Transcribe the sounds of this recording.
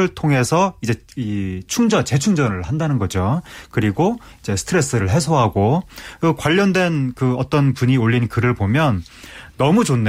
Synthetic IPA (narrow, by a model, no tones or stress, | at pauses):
ɯɭtʰoŋɦe̞sʰʌid͡ʑe̞ | it͡ɕʰuŋd͡ʑʌnt͡ɕe̞t͡ɕʰuŋd͡ʑʌnɯɭhandanɯnɡʌd͡ʑokɯɾiɡo | id͡ʑe̞sʰɯ̥tʰɯɾe̞s͈ɯɾɯɭɦe̞s̬ʰoɦaɡoɯkwaʎːʌndwe̞nkɯʌt͈ʌnpuɲioʎːinkɯɾɯɭpomjʌnː | ʌmut͡ɕonːe